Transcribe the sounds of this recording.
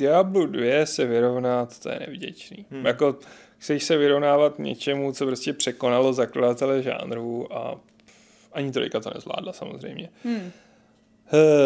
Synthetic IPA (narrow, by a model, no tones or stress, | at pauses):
dɪabludvjɛsɛvɪɾo̞vnat̪t̪ːojɛ̰nɛ̰vɟɛ̰t͡ʃniːjako̞ | xt͡sɛʃsɛvɪɾovnaːvat̪ɲɛ̰t͡ʃɛmut͡so̞pɾoscɛpr̝̥ɛko̞nalo̞zakladat̪ɛlɛʒa̰ːnɾuʔa̰ | ʔaɲɪt̪olɪkat̪o̞nɛ̰zvla̰ːdlasamozr̝ɛ̰jmɲɛ